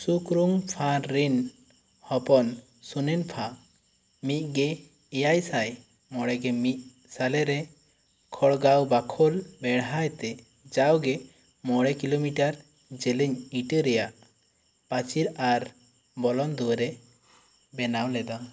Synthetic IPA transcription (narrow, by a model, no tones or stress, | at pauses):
sukɾuŋpʰãːin | hɔpɔn | sunɛnpʰa | mit̪̚ˀɡɛ | ɛjajsaj | mɔɽɛɡɛmit̪̚ | salɛɾɛ | kʰɔɽɡawbakʰɔlbɛɽɦajt̪ɛ | d͡ʒawɡɛ | mɔɽɛkilomiʈaɾ | d͡ʒɛləɲiʈəɾɛjaʔ | pat͡ʃiɾaɾ | bɔlɔnd̪uwɾɛ | bɛnawlɛd̪a